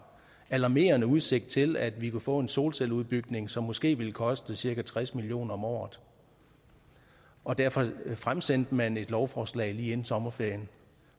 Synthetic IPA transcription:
ælɑ̈me̝̰ːɐnəuð̞ˠse̝ɡ̥̚d̥̚t͡sʰe̝læd̥ʋikʰufɔ̰̽ːe̝nso̝ːlseluðˠb̥yɡ̥ne̝ŋsɒ̽mːɔ̽sɡ̥e̝̰ːʋiləkʰɒ̽sd̥əsiɐkæt͡sʰʁasmilijo̝̰ːnɐɒ̽mɒ̰ːð̩ˠ | ɒ̽d̥æɐfɒ̽fʁamsen̰d̥əmæne̝d̥lɒʊfɒːslɛ̰ːɪliːenn̩sɒ̽mɐfeɐ̰jən

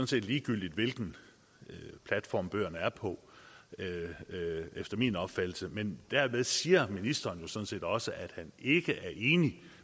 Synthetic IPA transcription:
sɔ̽n̩se̝̰ːd̥liːɡ̥yl̰d̥id̥ʋe̝lɡ̥n̩ | pʰlæd̥fɒ̰ːmb̥øːɐnəæɐpʰɒ̽ | efd̥ɐmiːnɒ̽b̥fæd̥l̩səmend̥æɐ̰me̝ð̞ˠsiːɐminisd̥ɐːnjo̝sɔ̽n̩se̝̰ːd̥ɒ̽səʔæd̥hæne̝ɡ̥əʔæɐʔe̝ːni

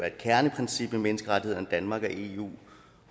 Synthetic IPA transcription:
æɐed̥kʰæɐnəpʰʁɛnsib̥memenəsɡ̥əʁɑ̈d̥ihe̝ð̰ˠɐnd̥ænmɑ̈ɡ̥ɒ̽ʔe̝̰ṵː

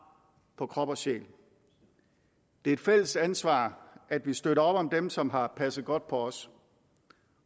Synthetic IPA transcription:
pʰɒ̽kʰʁɒ̽b̥ɐsɕḛːl | d̥e̝ɐe̝d̥fel̰əsd̥ænsʋɑ̰̈ːæd̥ʋisd̥øɾɐɒ̽b̥ɒ̽md̥emsɒ̽mɦɑ̈pʰæsð̩ˠɡ̥ɒ̽d̥̚pʰɒ̽ɒs

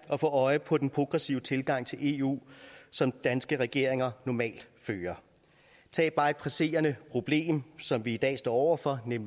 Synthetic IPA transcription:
ɒ̽fɔ̰ːɒ̽ɪəpʰɒ̽d̥enpʰʁo̝ɡ̥ʁɛsiʊət͡sʰe̝lɡ̥ɑ̈ŋ̰t͡sʰe̝lʔe̝ṵːsɒ̽md̥ænsɡ̥əʁɛɡ̥e̝ɐ̰e̝ŋɐnɒmɛ̰ːld̥føːɐ | t͡sʰɛ̰ːb̥ɑ̈ːe̝d̥̚pʰʁɛse̝̰ːɐnəpʰʁo̝b̥le̝̰ːmsɒ̽mʋiːd̥ɛ̰ːsd̥ɒ̰ːɒʊ̰ɐfɒ̽nem

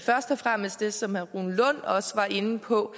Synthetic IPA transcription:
fɶɐsd̥ɒfʁam̰əsd̥e̝sɒ̽mʁunlɔ̽n̰ɒ̽səʋɑ̈ʔe̝nəpʰɒ̽

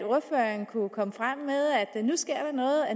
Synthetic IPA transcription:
o̝ɐføːɐnkʰukʰɒ̽məfʁam̰ːmeðˠæd̥nusɡ̥e̝ɐ̰d̥ɑ̈nɔ̽ːð̩ˠæ

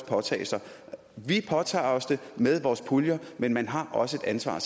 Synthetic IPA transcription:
pʰɒ̽t͡sʰɛ̰ːɪsɐ | ʋipʰɒ̽t͡sʰɑ̰̈ːɒ̽sd̥e̝með̞ˠʋɒːspʰuljɐmenmænɦɑ̈ʔɒ̽səe̝d̥ænsʋɑ̰̈ːs

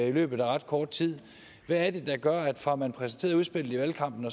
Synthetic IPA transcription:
ilø̰ːb̥ð̩ˠæʁɑ̈d̥kʰɒːd̥̚t͡sʰið̰ˠ | ʋæːɐd̥e̝d̥ɑ̈ɡ̥ɶɐæd̥fɑ̈mænpʰʁɛsnt͡sʰe̝̰ːɐuð̞ˠsb̥e̝l̰ð̩ˠiʋælkʰɑ̈m̰b̥n̩ɒ̽

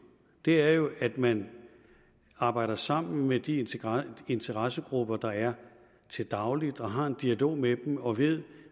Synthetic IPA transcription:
d̥e̝æɐjo̝ʔæd̥mæn | ɑ̈ːb̥ɑ̈ɪ̰d̥ɐsɑ̈m̰n̩med̥i | e̝nt͡sʰəʁasəɡ̥ʁub̥ɐd̥ɑ̈æɐ | t͡sʰe̝ld̥ɑ̈ʊlid̥ɒ̽ɦɑ̈e̝nd̥iælo̝̰ːmeb̥em̩ɒ̽ʋe̝ð̰ˠ

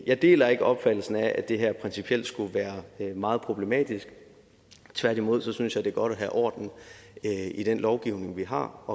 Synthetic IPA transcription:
jɑ̈ɪd̥e̝̰ːlɐe̝ɡ̥əʔɒ̽b̥fæd̥l̩sn̩æʔæ̥d̥e̝ɦæɐ̰pʰʁɛnsipʰiel̰d̥sɡ̥uʋæːɐmɑ̈ːð̩ˠpʰʁo̝b̥le̝mɛ̰ːd̥isɡ̥ | t͡sʰʋæɐd̥imo̝ð̞̰ˠsɒ̽synsjɑ̈ɪd̥e̝ɡ̥ɒ̽ɾ̥æɦæʔɒ̰ːd̥n̩ | iɾ̥enlɒʊɡ̥iʊne̝ŋʋiɦɑ̈ʔɒ̽

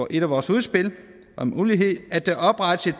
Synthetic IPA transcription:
ʔe̝ɾ̥æʋɒːsuð̞ˠsb̥e̝l | ɒ̽muːliɦe̝ð̰ˠæd̥eʔɒ̽b̥ʁɑ̈d̥ə̥se̝d̥

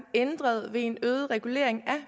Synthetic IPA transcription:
end̥ʁɐð̞ˠʋe̝e̝nøːð̞̩ˠʁɛɡ̥ule̝̰ɐ̰eŋæ

